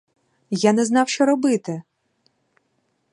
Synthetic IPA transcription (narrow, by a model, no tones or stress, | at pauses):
janɛznɑwʃt͡ʃɔɾɔbɪt̪ɪ